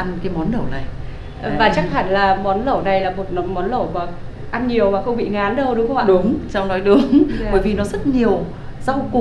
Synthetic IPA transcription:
ʔa˧nkaː˨˦jmɔ˨˦nɗə˧˩wna˨˩j | vaː˨˩t͡ɕa˦˥k̚ha˧˩nlaː˨˩mɔ˨˦nlə˧˩wna˨˩jlaː˨˩mo˨˩t̚mɔ˨˦nlə˧˩wmaː˨˩ | ʔa˧nɲi˨˩əwmaː˨˩xə˧wŋ͡mɓḭ˧˨ŋaː˨˦nɗə˧wɗʊ˨˦ŋ͡mxŋ͡ma̰˧˨ɗʊ˨˦ŋ͡mt͡ɕa˧wŋ͡mnɔ˨˦jɗɨ˨˦əŋɓəː˧˩jvi˨˩nɔ˨˦zə˦˥t̚ɲi˨˩əw | za˧wku˨˩

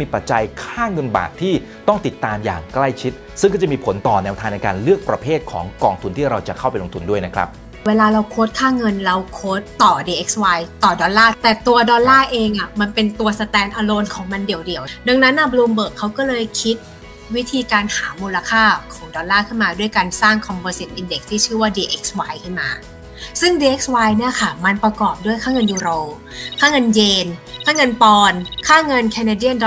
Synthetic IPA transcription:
miː˧pa˨˩t̪̚t͡ɕa˧jkʰaː˥˩ŋɤ˧nba̰ː˨˩t̚t̪ʰːiː˥˩ | t̪ɔ˥˩ŋt̪i˨˩t̪ːaː˧mja̰ː˨˩ŋkla˥˩jt͡ɕʰi˦˥t̪̚ | sɯ˥˩ŋk̬ːɔ˥˩t͡ɕa˨˩miː˧pʰo˩˦nt̪ɔː˨˩nɛː˧wt̪ʰaː˧ŋnɛ˧jkaː˧nlɯ˥˩ək̚pɾa˧pʰeː˥˩t̪̚kʰɔ̰ː˩˦ŋkɔː˧ŋt̪ʰu˧nt̪ʰiː˥˩ɾa˧wt͡ɕa˨˩kʰa˥˩wpa˧jlo˧ŋt̪ʰu˧ndu˥˩əjna˦˥kʰɾa̰˦˥p̚ | weː˧laː˧ɾa˧wkʰoː˦˥t̪̚kʰaː˥˩ŋɤ˧nɾa˧wkʰoː˦˥t̪ːɔː˨˩diː˧ʔe˦˥k̚swa˧jt̪ɔː˨˩dɔː˧nlaː˥˩t̪ɛː˨˩t̪u˧ɐdɔː˧nlaː˥˩ʔeː˧ŋʔa˨˩ma˧npe˧nt̪u˧ɐsa˧t̪ɛː˧nʔaː˧loː˧nkʰɔː˩˦ŋma˧ndi˨˩əwdi˨˩əwda˧ŋna˦˥nʔa˧˩bluː˧mbɤː˨˩kʰːa˦˥wkɔː˥˩lɤː˧jkʰi˦˥t̪̚ | wi˦˥t̪ʰiː˧kaː˧nhaː˩˦muː˧la˧kʰaː˥˩kʰɔː˩˦ŋdɔː˧nlaː˥˩kʰɯ˥˩nmaː˧du˥˩əjkaː˧nsaː˥˩ŋkʰɔ˧mbɤː˧si˨˩t̪̚ʔi˧nde˨˩k̚t̪ʰiː˥˩t͡ɕʰɯː˥˩waː˥˩diː˧ʔe˦˥k̚swaː˧jkʰɯ˥˩nma̰ː˧ | sɯ˥˩ŋdiː˧ʔe˦k̚swaː˧jni˥˩ɐkʰa˥˩ma˧npɾa˧kɔː˨˩p̚du˥˩əjkʰaː˥˩ŋɤ˧njuː˧ɾoː˧ | kʰaː˥˩ŋɤ˧njeː˧nkʰaː˥˩ŋɤ˧npɔː˧nkʰaː˥˩ŋɤ˧nkʰɛ˧na˧di˥˩ənd

